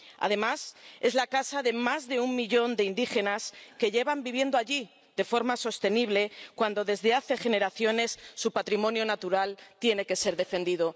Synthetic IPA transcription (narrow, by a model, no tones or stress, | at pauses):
a̰ðe̞mase̞zlakasaðe̞mazðe̞ummiʎo̞nd̪e̞ind̪ixe̞naske̞ʝe̞βambiβ̞je̞nd̪oaʝi | ðe̞fo̞ɾmaso̞st̪e̞niβle̞kwand̪o̞ðe̞zðe̞aθe̞xe̞ne̞ɾaθjo̞ne̞sːupat̪ɾimõ̞njo̞nat̪uɾalt̪je̞ne̞ke̞se̞ɾðe̞fe̞nd̪iðo̞